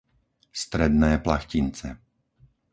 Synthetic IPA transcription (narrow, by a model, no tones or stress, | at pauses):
st̪ɾɛd̪nɛːplaxcint͡sɛ̰